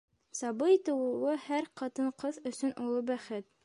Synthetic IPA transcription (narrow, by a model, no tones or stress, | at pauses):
sɑbɤjt̪ɤ̆wɤ̆wɤhæɾqɑt̪ɤɴqɤðɵ̆sɵnʔulˠɤbæχɘt̪̚